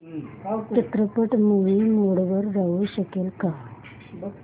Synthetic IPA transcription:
ket̪ɾəpəʈmuʋiːmoɽʋəɾːaʋuɕəkelka

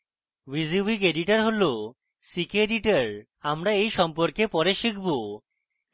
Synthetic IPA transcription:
wizibikeɖiʈaɾɦolo | sikeɖiʈaɾ | amɾaejʃɔmpoɾkepɔɾeʃikʰbo

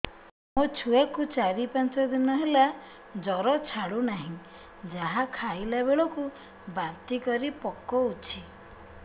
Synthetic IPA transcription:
mot͡ʃʰuakut͡ʃaɾipant͡ʃɔd̪inɔɦela | d͡ʒɔɾɔt͡ʃʰaɽunaɦĩ | d͡ʒaɦakʰaileβeɭɔku | bant̪ikɔɾipɔkːɔut͡ʃʰi

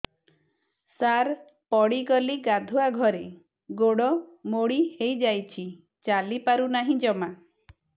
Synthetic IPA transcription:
saɾ | pɔɽiɡɔliɡad̪ʱuaɡʱɔɾe | ɡoɽɔmoɽihejd͡ʒajt͡ʃʰi | t͡ʃalipaɾunaɦĩd͡ʒɔma

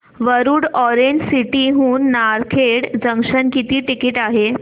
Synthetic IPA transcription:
ʋəɾuːɽɔɾeɲd͡ʑsiʈiɦuːnːaɾkʰeɽd͡zəŋkʂənkit̪iːʈikiːʈaɦe

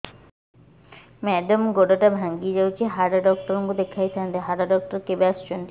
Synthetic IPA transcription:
mɛɖomɡoʈoʈabʱaŋɡid͡ʑawt͡ɕʰeɦaɾaɖɔk̚ʈoɾoŋɡod̪ekʰːajt̪ʰand̪eɦaɾaɖɔk̚ʈoɾkebeast͡ɕont̪i

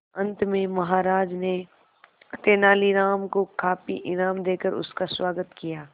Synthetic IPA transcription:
ɐ̃nt̪mẽmɐɦaːɾaːd͡ʒne | t̪eːnaːliɾaːmkokʰaːpḭʔɪnaːmd̪eːkəɾʊ̰skaswaːɡət̪kijaː

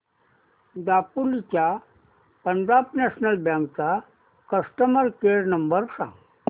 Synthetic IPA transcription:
d̪apulit͡ɕja | pəɳd͡ʑabnɛsnəlbjãŋkt͡sa | kəsʈəməɾkeɾnəmbəɾsã̰ŋɡ

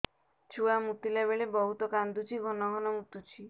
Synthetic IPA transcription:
t͡ʃʰuamut̪ilabeɭebɔɦut̪ɔkand̪ut͡ʃʰiɡʱɔnɔɡʱɔnɔmut̪ut͡ʃʰi

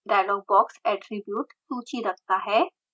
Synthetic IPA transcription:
ɖajlɔɡ̚bɔksɛʈɾibjuːʈt̪ũt͡ɕiːɾəkt̪aɦɛ

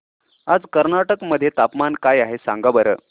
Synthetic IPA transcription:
ad͡zkəɾnaʈəkməd̪ʱːjet̪apmankajaɦesã̰ŋɡabəɾə̰ː

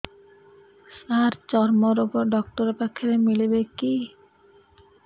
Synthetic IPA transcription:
saɾt͡ɕɔɾmoɾopoɖɔkʈoɾepakʰːeɾemilibeki

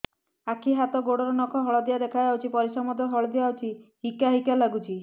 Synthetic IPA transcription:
akʰiɦat̪ɔɡoɽɔɾɔnɔkʰɔɦɔɭɔd̪ijad̪ekʰajd͡ʒawt͡ʃʰipɔɾisamɔd̪ɔɦɔɭɔd̪ijawt͡ʃʰihikaɦikalaɡut͡ʃʰi

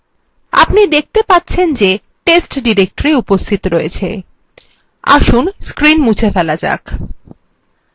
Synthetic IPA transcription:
a̰pnid̪ek̚ʰt̪epat̪ːɕʰend͡ʑe | ʈesʈɖiɾek̚ʈoɾiupost̪ʰit̪oɾojet͡ɕʰe | a̰ʃunskɾinmut͡ɕʰefɛlad͡ʑa̰k

